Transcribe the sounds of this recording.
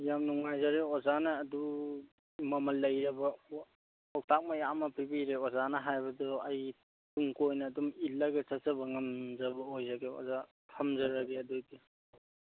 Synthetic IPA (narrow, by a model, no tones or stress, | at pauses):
jamnuŋajzaɾeɔzanɐːdu | mɐmɐlːɐjɾɐbɐ | ɔk̚tʰak̚mɐjamɐpʰibiɾeɔzanɐɦajbɐdɔɐj | tuŋkojnɐːdumilːɐɡet͡ʃɐsɐbɐŋɐmzɐbɐojzaɡeɔ̰za | tʰɐmzɐɾaɡeɐdudi